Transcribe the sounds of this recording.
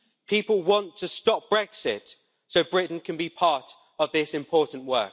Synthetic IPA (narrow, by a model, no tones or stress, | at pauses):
pʰiˑpəlˠwɒ̃ntʰəstɒp̚b̥ɹɛksɪt | səʊbɹɪʔn̩kʰə̃nbipʰɑˑt | əvðɪsɪ̃mpʰɔˑʔn̩ʔwɜ̰ˑk